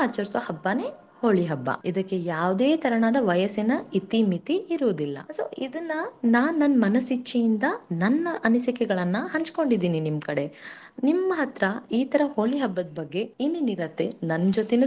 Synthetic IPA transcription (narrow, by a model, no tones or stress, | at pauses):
aːt͡ʃɐɾsɐhɐbːaːne̞ː | hoːɭiɦɐbːɐ̰id̪ɐkːe̞jaːʋd̪eːt̪ʰɐɾɐɳaːd̪ɐʋɐjɐsinɐit̪imit̪iːɾuːd̪ilːɐ̰so̰ːʔid̪ɐnːɐnaːnnɐnːmɐnɐsit͡ʃːɐjind̪ɐnɐnːɐʔɐnisikɛɡɐɭɐnːɐhɐɲt͡ʃko̞ɳɖid̪iːninimkɐɽe̞ | nimːɐɦɐt̪ɾɐiːt̪ɐɾɐhoːɭiɦɐbːɐd̪ɐbɐɡːe̞inːiniɾɐt̪ːenɐnːd͡ʒot̪enu